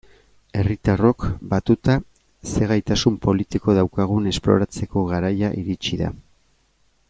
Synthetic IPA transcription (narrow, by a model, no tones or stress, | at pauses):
e̞rit̪aro̞kbat̪ut̪a | se̞ɣajt̪asumpo̞lit̪iko̞ðawkaɣ̞une̞splo̞̰ɾat͡se̞ko̞ɣaɾajaʔiɾit͡ʃiða̰